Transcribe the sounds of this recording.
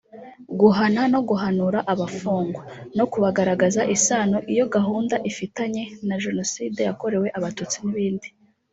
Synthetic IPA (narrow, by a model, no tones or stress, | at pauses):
ɡuɦanano̞ɡuɦanuɾaʔaβafuːŋɡwono̞kuβaɡaɾaɡazaʔisaːnoʔijo̞ɡaɦuːndaʔifitaɲe̞naʒe̞no̞siːde̞jako̞ɾe̞we̞ʔaβatut͡siniβiːndi